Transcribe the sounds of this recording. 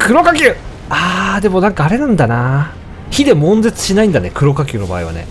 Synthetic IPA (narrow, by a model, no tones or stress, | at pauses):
kɯ̟ɾo̞kakʲɨː | aːd̪e̞mo̞nãŋkaːɾe̞nãnd̪ana | çid̪e̞mõ̞nd͡zet͡sɨ̥ɕinaĩnd̪ane̞kɯ̟ɾo̞kakʲɨːno̞ba̰ːḛβa̰ne̞̰